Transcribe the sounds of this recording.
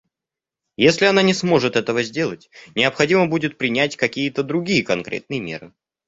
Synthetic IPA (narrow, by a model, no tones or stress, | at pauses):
jesʲlʲɪɐnanʲɪsmo̞ʐɨt̪ɛt̪əvəzʲdʲe̞lˠətʲnʲɪəpxɐdʲiməbudʲɪt̪̚pɾʲɪnʲætʲkɐkʲijət̪əd̪ɾʊɡʲijəkɐnkɾʲḛt̪̚nɨjəmʲe̞̰ɾɨ